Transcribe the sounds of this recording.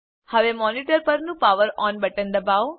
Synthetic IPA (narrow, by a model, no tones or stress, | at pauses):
həʋemɔniʈəɾpəɾnũpaʋəɾɔnbəʈənd̪əbaʋ